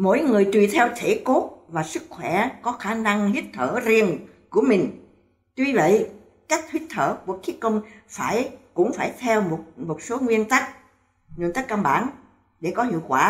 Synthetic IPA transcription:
mo̰˧˥jŋɨ˨˩əjt̪wi˧˩t̪ʰɛ˧wt̪ʰe˧˩ko˦˥t̚vaː˨˩sɨ˦˥k̚xwɛ˧˩kɔ˨˦xaː˧˩na˧ŋhi˦˥t̚t̪ʰəː˧˩zi˧ən | ku˧˩əmï˨˩ŋ̟ | t̪wi˧və̰˧˨j | ka˦˥jk̟̚hi˦˥t̚t̪ʰəː˧˩ku˧˩əxʰi˨˦kə˧wŋ͡mfaː˧˩jkʊ̰˧˥ŋ͡mfaː˧˩jt̪ʰɛ˧wmo˨˩t̚mo˨˩t̚so˨˦ŋwi˧ənt̪a˦˥k̚ | ŋwi˧ənt̪a˦˥k̚ka˧nɓa̰ː˧˩n | ɗe˧˩kɔ˨˦ɦḭ˧˨əwkwaː˧˩

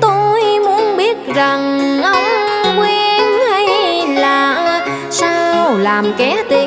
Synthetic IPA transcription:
t̪o˧jmu˨˦ənɓi˦˥ət̚za˨˩ŋʔə˧wŋ͡mkwe˧nha˧jlaː˨˩ʔ | saː˧wlaː˨˩mkɛ˨˦t̪i˧˩˨

